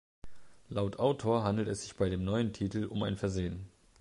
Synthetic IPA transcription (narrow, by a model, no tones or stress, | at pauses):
laʊtʔaʊtʰoːɐɦandl̩tɛsz̥ɪçb̥aɪdeːmnɔʏəntʰiːtl̩ʔʊ̰maɪnfɛɐzeːən